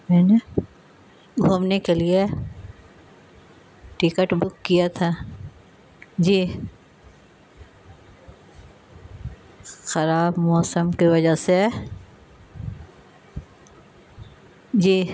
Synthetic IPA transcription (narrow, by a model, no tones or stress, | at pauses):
mɛːne | ɡʱuːmnekelie | ʈɪkəʈbʊkːijat̪ʰa | d͡ʒiː | xɐɾaːbmɔːsəmkiʋɐd͡ʒase | d͡ʒiː